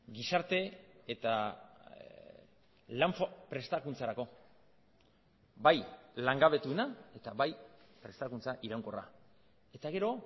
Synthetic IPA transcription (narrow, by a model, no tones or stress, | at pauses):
ɡisaɾt̪e̞et̪a | laɱfapɾe̞st̪akunt͡saɾako̞ | bajlaŋɡaβe̞t̪uenae̞t̪aβajpɾe̞st̪akunt͡saʔiɾawŋko̞ra̰ | e̞t̪aɣe̞ɾo̞